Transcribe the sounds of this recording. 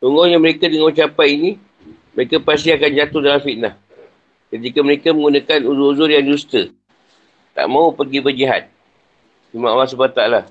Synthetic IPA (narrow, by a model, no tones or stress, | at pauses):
sɔŋɡɔɲaməɾekadəŋawut͡ʃapajini | məɾekapasiakand͡ʒat̪ohdalamfiʔnah | kət̪ikaməɾekaməŋɡunakanuzuuzʊrjaŋd͡ʒust̪ə | t̪a̰ʔmãupərɡibəd͡ʒiɦa̰t̪̚ | imãʔalːas̬ubpat̪aala